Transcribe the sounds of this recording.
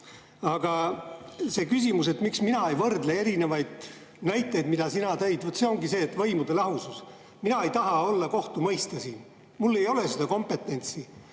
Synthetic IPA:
ɑɡ̥ɑ | se̞kys̬ʲimus̬e̞t̪miksminɑejvɤrd̪lee̞ɾine̞vɑjd̪̥ | næjt̪ˑːe̞jd̪mid̪̥ɑsinɑt̪ejd̪̥vot̪se̞o̞ŋɡise̞ːt̪ːvɤjmud̪̥e̞lɑɦusus | minɑe̞jt̪ɑɦɑo̞lːɑko̞ht̪umɤjst̪ɑsiːn | mulːe̞jo̞le̞sed̪ɑko̞mpe̞t̪ːˑe̞nʲt̪si

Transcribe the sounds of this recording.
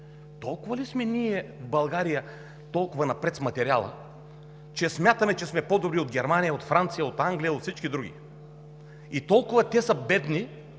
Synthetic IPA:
t̪ɔlˠkʊvɐlismɛniɛvbɐlˠɡaɾijə | t̪ɔlˠkʊvɐnɐpɾɛt̪smɐt̪ɛɾialˠə̰ | t͡ʃɛsmʲjat̪əmɛt͡ʃɛsmɛpɔd̪obɾiod̪ɡʲɛɾmanijəot̪fɾant̪sijəot̪aŋɡlijəot̪sit͡ʃkid̪ɾuɡʲḭ | it̪ɔlˠkʊvɐt̪ɛsəbɛd̪ni

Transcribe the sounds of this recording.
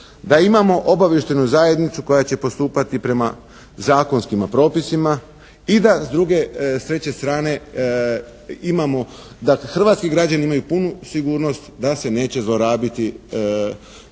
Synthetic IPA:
d̪aimamo̞ʔo̞baʋje̞ʃt̪e̞nuzaːje̞d̪nit̪suko̞jat͡ɕe̞po̞st̪uːpat̪ipɾe̞ma | zaːko̞nskimapɾo̞ːpisima | id̪azd̪ɾuɡe̞st̪ɾe̞t͡ɕe̞st̪ɾaːne̞ | imamo̞ | d̪axr̩ʋaːt̪skiɡɾad͡ʑaniimajupunusiɡuːɾno̞st̪d̪ase̞ne̞ːt͡ɕe̞zlˠoɾaːbit̪i

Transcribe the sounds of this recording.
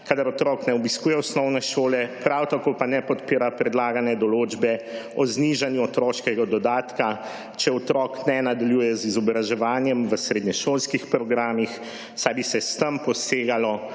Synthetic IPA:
kad̪aɾɔt̪ɾɔːknɛɔbiskuːjɛɔsnɔwnɛʃoːlɛpɾawt̪akoːpanɛpɔt̪piːɾapɾɛd̪laːɡanɛd̪ɔloːd͡ʒbɛɔzniʒanjuɔt̪ɾɔːʃkɛɡad̪ɔd̪aːt̪ka | t͡ʃɛɔt̪ɾɔknɛnad̪aljuːjɛzizɔbɾaʒɛʋaːnjɛmʋəsɾeːd̪ɲɛʃoːlskixpɾɔɡɾaːmix | sajbisɛst̪əmpɔseːɡalɔ

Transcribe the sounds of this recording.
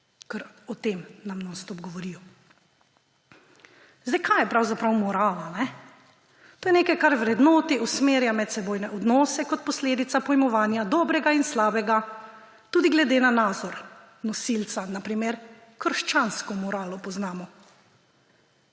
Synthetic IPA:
kəɾ | ɔt̪eːmnamnɔst̪ɔbɡɔʋɔɾiːjɔ | zd̪ɛjkʰajɛpɾawzapɾawmɔɾaːlanɛ | t̪oːjɛneːkɛjkaɾʋɾɛd̪nɔːt̪iʔɔsmeːɾjamɛt̪sɛboːjnɛʔɔd̪nɔːsɛkɔt̪̚pɔsleːd̪it̪sapɔjmɔʋaːnjad̪ɔːbɾɛɡainslaːbɛɡa | t̪uːd̪iɡlɛd̪eːnanaːd̪zɔɾ | nɔsilt̪sanapɾimeɾ | kəɾʃt͡ʃaːnskɔmɔɾaːlɔpɔznaːmɔ

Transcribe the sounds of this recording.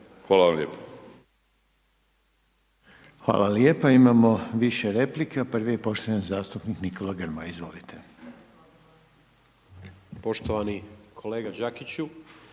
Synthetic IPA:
xʋaːlaʋamʎʲeːpo̥ | xʋa̰ːlaljepaimamo̞ʋiʃeɾe̞plikepr̩ʋije̞po̞ʃt̪ojanzaːst̪upniknikʰo̞laɡrɾmaizʋo̞̰lit̪ʰe̞ | po̞ʃt̪oʋanikʰo̞leːɡad͡ʒakit͡ɕu

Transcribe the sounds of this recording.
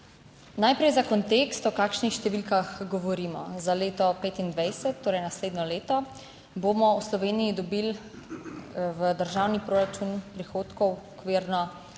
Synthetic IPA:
najpɾɛjzakɔnt̪eːkst̪ɔkaːkʃnixʃt̪ɛʋilkaxɡɔʋɔɾiːmɔ̰zaleːt̪ɔpeːt̪ind̪ʋajsɛt̪ːoːɾɛjnasleːd̪nɔleːt̪ɔ | bomɔwslɔʋeːnijid̪ɔbil | ʋəd̪əɾʒawnipɾoːɾat͡ʃunpɾixoːt̪kɔwɔkʋeːɾnɔ

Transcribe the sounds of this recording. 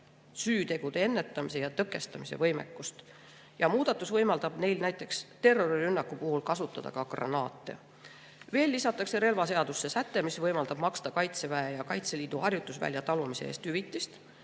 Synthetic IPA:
syːt̪e̞ɡ̥ud̪̥e̞e̞nːe̞t̪ːˑɑmise̞jɑt̪ɤkːˑe̞st̪ɑmise̞̰vɤjme̞̰kːˑust̪ | jɑmuːd̪̥ɑt̪ːˑusvɤjmɑld̪̥ɑb̥ne̞jlnæjt̪ːˑe̞kst̪e̞rːo̞rirynːɑkːˑupuɦulkɑsut̪ːˑɑd̪̥ɑ̰kɑɡ̥rɑ̰nɑːt̪ːˑe̞̰ | ve̞ːlːisɑt̪ːˑɑkse̞ɾe̞lvɑse̞ɑd̪̥usːe̞sæt̪ːe̞misvɤjmɑld̪ɑb̥mɑkst̪ɑkɑjt̪se̞væejɑkɑjt̪se̞liːd̪̥uɦɑrjut̪ːˑusvæ̰lʲjɑt̪ɑlumise̞eːst̪hyvit̪ːˑist̪

